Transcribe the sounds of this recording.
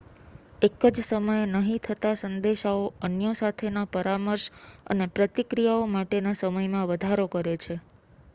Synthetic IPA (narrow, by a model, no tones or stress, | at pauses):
ekəd͡ʒsəməjenəɦĩt̪ʰət̪asənd̪eʃaoənjəsat̪ʰenapəɾaməɾʃə̰nepɾət̪ikɾijaomaʈenasəməjmãʋəd̪ʱaɾokəɾet͡ʃʰe